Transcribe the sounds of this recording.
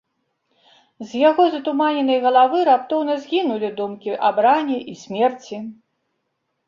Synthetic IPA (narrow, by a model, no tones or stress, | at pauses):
zʲjaɣɔzɐt̪umanʲɛnɨjɣɐlˠavɨɾapt̪ɔwnɐzʲɣʲinulʲid̪umkʲiʔabɾanʲiʔisʲmʲɛrt͡sʲi